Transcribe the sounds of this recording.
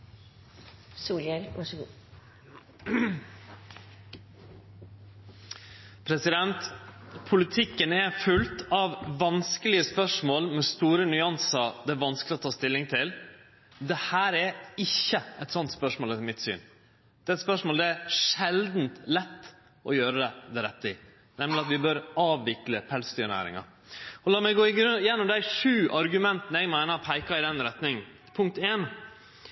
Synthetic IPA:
suːljɛlʋɑʂɡuː | pʰɾɛsɪd̪ɛnt̪pʰʊlɪt̪ʰɪkːənɛfʉlt̪ɑʋːɑnskəlɪəspœʂmoːlmɛst̪uːɾənʏɑnsɑd̪ɛæʋɑnsklɪɔt̪ʰɑːst̪ɪlːɪŋt̪ʰɪl | d̪ɛhæːɾɛɪçːəɛt̪sɔnt̪spœʂmoːlmɪt̪sy̰ːn | d̪̥ɛɛt̪spœʂmoːld̪ɛæʂɛld̪nt̪lɛt̪ː | ʔɔjøːɾəd̪ɛd̪ɛɾɛt̪ːəɪ | nɛmlɪɑt̪ʋɪbœɾɑːʋʋɪkləpʰɛlsd̪yːnæ̰ːɾɪ̰ŋɑ̰ | ɔlɑːɾmɛɡoːɪɡɾʉjɛnːʊmd̪æɪʂʉːʔɑɾɡʉmɛnt̪ənəɛɡmæɪnəɑpʰæɪkɑɪd̪ɛnɾɛt̪nɪŋn̩ | pʰʊŋk̚t̪eːn

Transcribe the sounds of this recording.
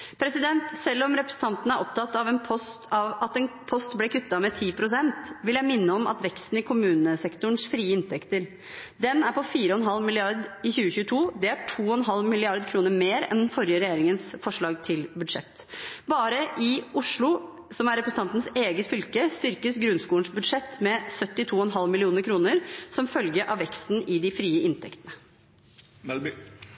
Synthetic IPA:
pʰɾɛsɪd̪ɛnt̪sɛlːɔmɾɛpɾəsən̩t̪ʰɑnt̪ən̩əæɾʔɔp̚t̪ʰɑt̪ːɑʋɛnpʰɔst̪ɑʋɑt̪ɛnpʰɔst̪blɛkʰʉt̪ːɑmɛt̪ʰiːpʰɾʊsɛnt̪ʋɪljæɪmɪnːəɔmɑ̰t̪ʋɛkst̪n̩ɪkʰʊmʉːnəsɛkt̪ʊɳsfɾiːəɪnt̪ʰɛkt̪əɾ | d̪ɛnæɾpʰɔfiːɾəɔnɦɑlmɪlɪɑɾd̪ɪçʉːəçʉːt̪ʰuːd̪ɛæʈʰuːɔnɦɑlmɪlɪɑɾd̪kʰɾuːnəɾmeːɾɛ̰nd̪ɛnfɔɾjəɾɛjeːɾɪŋənsfɔʂɭɑːɡ̚t̪ʰɪlbʉd̪ʂɛt̪ː | bɑːɾəʔɪʊʂɭʊ | sɔmæɾɛpɾəsn̩ɑnt̪ən̩seːɡət̪fʏlkəst̪ʏɾkəsɡɾʉnskuːəɳsbʉd̪ʂɛt̪ːmɛsœt̪ːɪt̪ʰuːɔnɦɑlmɪlɪuːnəɾkʰɾuːnəɾsɔmfœlɡəʔɑʋɛkst̪n̩ɪd̪ɪfɾiːəʔɪnt̪ʰɛkt̪ənə

